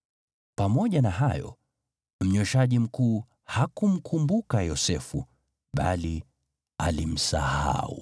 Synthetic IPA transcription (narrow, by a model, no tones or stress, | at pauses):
pamɔʄanaɦajɔ̰ | m̩ɲɔʃaʄim̩kuː | hakum̩kʰumbukajɔsɛfṵ | ɓa̰li | a̰lim̩saha̰u